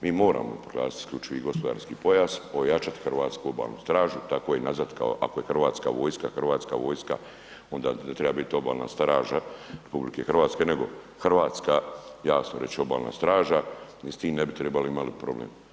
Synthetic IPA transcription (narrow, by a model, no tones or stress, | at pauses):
miːmo̞ːɾa̰ːmopɾoɡla̰ːsit̪i̥skʎʲut͡ʃiʋiɡo̞spo̞d̪a̰ːɾskiːpo̞jazo̞jat͡ʃat̪i̥xrɾʋaːt̪skuo̞ba̰ːlˠnust̪ɾaːʒut̪ako̞jenazat̪ka̰o̰ʔakoje̞xrʋaːt̪ska̰ːʋo̞ːjskaxrʋaːt̪skaʋo̞ːjska̰ | o̞nd̪aːnet̪ɾebabit̪io̞ba̰ːlna̰ːst̪ɾaːʒaɾepublike̞xr̩ʋaːt̪ske̞ne̞ɡo̞̰ | xr̩ʋaːt̪skaːjaːsnoɾe̞t͡ɕo̞ba̰ːlˠna̰ːst̪ɾaːʒanist̪iːmne̞bit̪ɾebaloimalipɾo̞blḛːm